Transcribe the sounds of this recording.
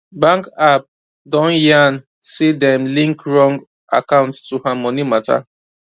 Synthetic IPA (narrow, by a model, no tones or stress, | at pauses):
bãŋkap̚ | dɔ̃njan | sidɛ̃mlĩŋkɹɔ̃ŋɡ | a̰kãʊ̃ntːuhamɔnimata̰